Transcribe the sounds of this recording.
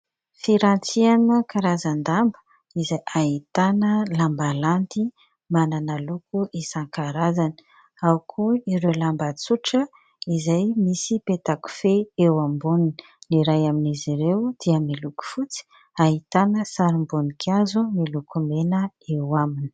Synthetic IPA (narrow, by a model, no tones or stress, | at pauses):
fiɾant͡sianəkaɾazand̪ambə̥ | izajʔaɦit̪anəlambalant̪i | mananəlukuʔisaŋkaɾazanə̥ | awkʰuiɾelambat͡suʈ͡ʂə | izajmisipet̪aku̥feewambunni | niɾajaminiziɾewd̪̥iəmiluku̥fut͡si̥ | aɦit̪anəsaɾimbunikʰazumilukumenə | ewamini̥